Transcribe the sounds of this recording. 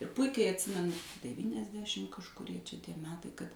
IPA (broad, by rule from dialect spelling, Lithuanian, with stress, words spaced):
ɪr ˈpʊɪkʲɛɪ ɐtʲˈsʲɪmʲɛnʊ dʲɛʋʲiːnʲɛzʲˈdʲæːʃʲɪm kɐʃkʊˈrʲiɛ t͡ʃʲɛ ˈtʲiɛ ˈmʲæːtɐɪ kɐt